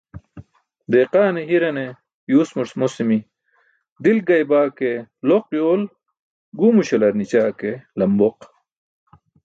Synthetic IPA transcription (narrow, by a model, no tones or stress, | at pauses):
d̪eːqaːneɦiɾɐne | juːsmuɾsmosimi | d̪ilɡɐjbaːkeloqjoːl | ɡumuɕelɐɾnit͡ɕaːkelɐmboq